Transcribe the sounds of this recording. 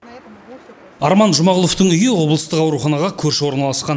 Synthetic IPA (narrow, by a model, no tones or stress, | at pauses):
ɑɾmɑnʒʊmɑʁəlˠo̞ft̪əɴʏjəwo̞blˠəst̪əqɑwɾuχɑnɑʁɑkʲʰɵɾʃɪwo̞ɾnɑlˠɑsqɑn